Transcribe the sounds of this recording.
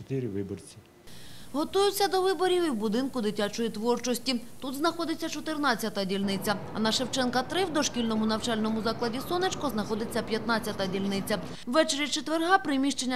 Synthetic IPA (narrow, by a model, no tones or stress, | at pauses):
t̪ɪɾʲɪʋɪbɔrt͡sʲi | ɦɔt̪ujʊt͡sʲːɐd̪ɔʋɪbɔɾʲiwiwbʊd̪ɪnkʊd̪ɪtʲat͡ʃɔjit̪ʋɔrt͡ʃɔsʲtʲit̪ud̪znɐxɔd̪ɪt͡sʲːɐt͡ʃɔt̪ɪrnɑt͡sʲjɐt̪ɐdʲilʲnɪt͡sʲɐɐ̰nɐʃewt͡ʃɛnkɐt̪ɾɪwd̪ɔʃkʲilʲnɔmʊnɐwt͡ʃɑlʲnɔmʊzɑklˠɐdʲisɔnet͡ʃkɔznɐxɔd̪ɪt͡sʲːɐpʲjɐt̪nɑt͡sʲjɐt̪ɐdʲilʲnɪt͡sʲːɐ | wʋɛt͡ʃeɾʲit͡ʃet̪ʋerɦɑpɾɪmʲiʃt͡ʃenʲːɐ